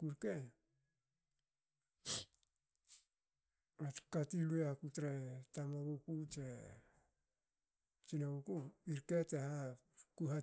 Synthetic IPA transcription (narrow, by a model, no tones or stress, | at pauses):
kuɾke | atkatiluakutɾetamoɡukutɾe | t͡ʃinaukuiɾketeha | kuɦa